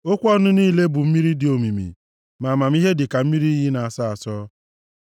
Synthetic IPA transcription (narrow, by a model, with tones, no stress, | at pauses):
o˦kʷɔ˦nʊ˦niː˦le˦bʊ˨m̩˦mi˦ɾi˦dɪ˨o˨mi˨mḭ˨ | ma˨ma˨m˦i˦ɦe˦dɪ˨ka˨m̩˦mi˦ɾi˦i˦ɦi˦na˨a˨sa˦a˨sɔː˦